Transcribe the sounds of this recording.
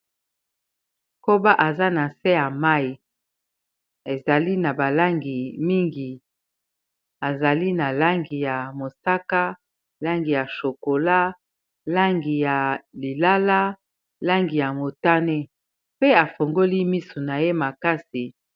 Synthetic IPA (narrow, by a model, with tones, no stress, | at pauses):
ko˦ba˦ʔa˨za˦na˨se˦ja˨ma˦i˨ | e˨za˨li˦na˨ba˨la˦ŋɡi˨mi˦ŋɡi˨ | a˨za˨li˦na˨la˦ŋɡi˨ja˨mo˨sa˦ka˦ | la˦ŋɡi˨ja˨ʃo˨ko˨la˦ | la˦ŋɡi˨ja˨li˨la˦la˦ | la˦ŋɡi˨ja˨mo˨ta˦ne˦ | pe˦a˨fo˨ŋɡo˦li˦mi˦su˨na˨je˦ma˨ka˦si˨